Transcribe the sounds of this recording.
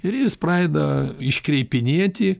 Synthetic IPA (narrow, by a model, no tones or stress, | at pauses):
ɪɾjɪsprɑɪd̪ɐɪʃʲkɾʲɛɪpʲɪnʲiɛt̪ʲɪ